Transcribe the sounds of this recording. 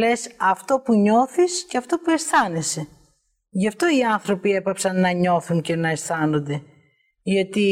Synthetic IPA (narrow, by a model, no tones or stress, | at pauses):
le̞sɐft̪o̞puɲo̞θisceɐft̪o̞pue̞sθɐne̞se̞ | ʝɐft̪o̞iɐnθɾo̞pie̞pɐpsɐnːɐɲo̞θuŋce̞nɐesθɐno̞nd̪e̞ | ʝɐt̪i